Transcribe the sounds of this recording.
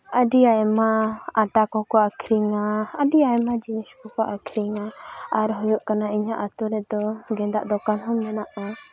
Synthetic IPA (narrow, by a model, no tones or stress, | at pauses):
əɖiaɛmaaʈakɔkɔakʰɾiŋaəɖiaɛmad͡ʒiniskɔkɔʔakʰɾiŋaaɾɦɔjuʔkanaiɲaʔat̪uɾɛd̪ɔɡɛnd̪aʔd̪ɔkanɦɔnmɛnaʔa